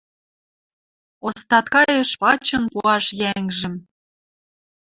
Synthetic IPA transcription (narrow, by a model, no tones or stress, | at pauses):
ost̪ɑt̪kɑjĕʃpɑt͡ɕɤ̆npuɑʃjæŋʒɘ̆m